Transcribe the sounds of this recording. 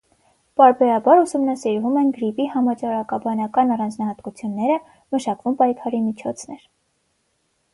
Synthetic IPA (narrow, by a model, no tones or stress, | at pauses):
pɑɾbɛɾɑbɑɾusumnɑsiɾvumɛnɡəɾipiɦɑmɑt͡ʃɑɾɑkɑbɑnɑkɑnɑrɑnd͡znɑhɑt̪kut͡sʰjunːɛɾə | məʃɑkvumpɑjkʰɑɾimit͡ʃʰɔt͡sʰnɛɾ